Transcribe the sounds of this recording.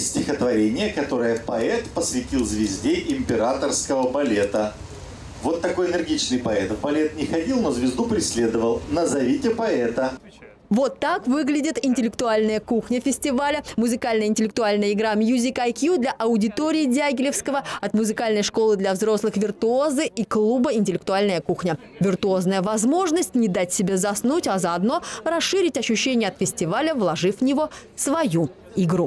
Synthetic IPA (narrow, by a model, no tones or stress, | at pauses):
sʲtʲɪxət̪vɐɾʲenʲɪjəkɐt̪o̞ɾəjəpɐɛt̪pəsvʲɪtʲilˠzvʲɪzʲdʲeʔɪmʲpʲɪɾat̪ərskəvəbɐlʲet̪ə | vo̞t̪ːɐko̞jənʲɨrɡʲit͡ɕnɨjpɐɛt̪vbɐlʲet̪nʲɪxɐdʲilˠnozvʲɪzd̪upɾʲɪsʲlʲe̞d̪əvəlˠnəzɐvʲitʲɪpɐɛt̪ə | vot̪ːakvɨɡlʲɪdʲɪt̪ɪnʲtʲɪlʲɪk̚t̪ʊalʲnəjəkuxnʲəfʲɪsʲtʲɪvalʲəmʊzɨkalʲnəjəɪnʲtʲɪlʲɪk̚t̪ʊalʲnəjəɪɡɾamʲjuzʲɪkajkjud̪lʲɐʔɐʊdʲɪt̪oɾʲɪɪdʲaɡʲɪlʲɪfskəvəɐt̪mʊzɨkalʲnəjʂkolˠɨd̪lʲɐvzɾo̞slˠɨxvʲɪrt̪ʊo̞zɨʔiklˠubəɪnʲtʲɪlʲɪk̚t̪ʊalʲnəjəkuxnʲə | vʲɪrt̪ʊo̞znəjəvɐzmo̞ʐnəsʲtʲnʲɪd̪atʲsʲɪbʲezɐsnutʲɐzɐɐd̪no̞rɐsʂɨɾʲɪtʲɐɕːʉɕːenʲɪjəɐt̪fʲɪsʲtʲɪvalʲəvlˠɐʐɨfvnʲɪvo̞svɐju | ɪɡɾu